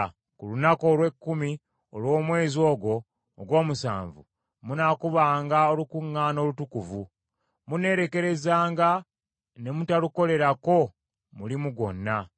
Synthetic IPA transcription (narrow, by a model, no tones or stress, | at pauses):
kulunako̞ːlwe̞kːumi | olwo̞ːmwe̞ːzio̞ːɡo̞ː | ɡwo̞ːmusa̰ːɱvṵ | munakuβaːŋɡaolukuŋːaːno̞ːlutukuvu | mune̞ːɾe̞ke̞ɾe̞zaːŋɡa | ne̞mutaluko̞le̞ɾako̞ | mulimuɡo̞̰nːa